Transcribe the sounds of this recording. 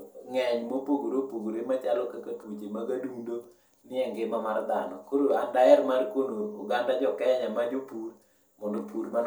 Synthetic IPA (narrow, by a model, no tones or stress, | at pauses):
ŋɛɲmopoɡoɾopoɡoɾemat͡ʃalɔkakatwot͡ʃemaɡadudo | nɪɛŋɡɪmamard̪anɔkoɾoandaɛɾmarkwonoːɡandad͡ʒɔkɛɲamad͡ʒopur | mɔndopuɾman